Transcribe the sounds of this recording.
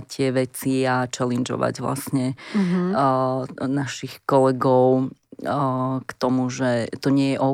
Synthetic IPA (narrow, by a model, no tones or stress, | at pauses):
t̪ɪɛʋɛt͡siat͡ʃɛlɛnd͡ʒɔ̰ʋa̰ɟʋla̰sɲɛ | naʃixkɔlɛɡɔʊ | kt̪ɔmuʒɛt̪ɔɲɪɛjɛʔɔ